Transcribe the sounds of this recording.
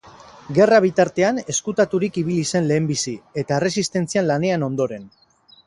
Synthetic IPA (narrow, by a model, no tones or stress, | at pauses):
ɡe̞raβ̞it̪aɾt̪e̞ane̞skut̪at̪uɾikiβ̞ilise̞nle̞ːmbisie̞t̪ae̞re̞sist̪e̞nt͡sianlane̞ano̞nd̪o̞ɾe̞n